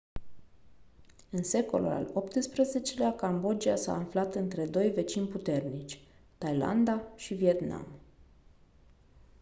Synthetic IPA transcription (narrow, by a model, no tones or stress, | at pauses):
ɨnse̞ko̞̰lṵla̰lo̞pt̪ɨspɾeze̞t͡ʃe̞leakambo̞d͡ʒiasa̰ːnflat̪ɨnt̪ɾe̞d̪o̞jve̞t͡ʃinʲput̪e̞rnit͡ʃʲt̪ajla̰nd̪aʃivie̞t̪na̰m